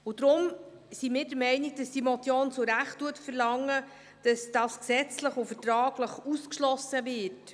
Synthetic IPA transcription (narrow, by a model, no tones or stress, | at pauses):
ʊd̥̪ɾʊm | simɪːɾdəɾmɛɪniɡ̚d̥ɑstimɔt̪jɔnsoɾæχtːuətfəɾlɑŋːə | d̥ɑsd̥ɑsksɛt͡sləχʊfəɾtɾɑːɡləχuskʃlɔsəvɪt